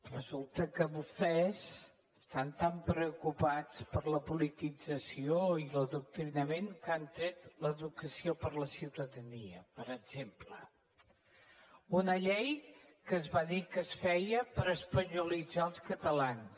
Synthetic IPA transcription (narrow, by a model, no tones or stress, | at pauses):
rəzulˠt̪əkəβust̪ɛz | əst̪ant̪ampɾəukupat͡spəɾləpulit̪id͡zəsioiləðuk̚t̪ɾinəmeŋkant̪ɾet̪ləðukəsiopəɾləsiwt̪əðəniəpəɾəɡz̥emplə | unəʎɛj | kəzβaðikəsfɛjəpəɾəspəɲulid͡zaəlˠskət̪əlan